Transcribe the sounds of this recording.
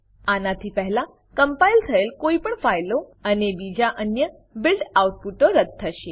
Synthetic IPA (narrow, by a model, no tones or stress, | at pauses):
anat̪ʰiːpəɦla | kəmpailt̪ʰəelkoipəɳfajloanebid͡ʑaʔənjə | bilɖawʈ̚puʈəɾət̪̚t̪ʰːəɕe